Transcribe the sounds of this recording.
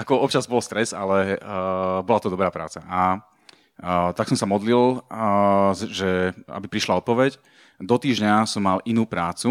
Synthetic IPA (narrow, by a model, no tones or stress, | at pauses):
akɔɔpt͡ʃazbɔlst̪ɾɛza̰lɛ | bɔlat̪ɔd̪ɔbɾaːpɾa̰ːt͡saʔa | t̪aksɔmsamɔd̪lil | ʒɛa̰bipɾiʃlaɔt̪̚pɔʋɛc | d̪ɔt̪iːʒɲasɔmːalʔinuːpɾaːt͡su